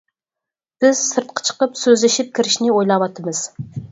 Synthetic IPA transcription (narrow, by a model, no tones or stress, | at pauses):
b̥ɪz̥sɨɾt̪̚qʰɑ̥t͡ʃʰə̥qəpsøzlɪʃip̚kʲʰiɾɪʃnɪojlˠɑwɑt̪ʰːɨmɨz̥